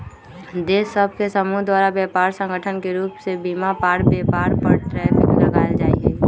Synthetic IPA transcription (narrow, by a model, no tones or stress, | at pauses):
d̪eːsəb̚ʱkesəmuːɦd̪waːɾabjɛːpaːɾsə̃ŋɡʱəʈʰənkeɾuːpsebiːmapaːɾbjɛːpaːɾpɐɾʈɾɛːfɪ̃ŋlɐɡaːld͡ʒaːḭɦɛː